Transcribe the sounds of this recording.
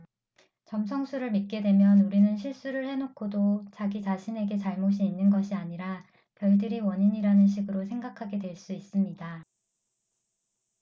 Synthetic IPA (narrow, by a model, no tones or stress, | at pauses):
t͡ɕʌms̬ʰʌŋsʰuɾɯɭmit̚k͈e̞dwe̞mjʌnuɾinɯnɕʰiɭs͈uɾɯɭhe̞nokʰodot͡ɕaɡit͡ɕaɕʰine̞ɡe̞t͡ɕaɭmoɕʰiːnːɯnɡʌɕʰiaɲiɾa | pjʌɭdɯɾiwʌɲiɲiɾanɯnɕ̬ʰiɡɯɾosʰe̞ŋɡakʰaɡe̞dwe̞ɭs͈uis͈ɯmɲida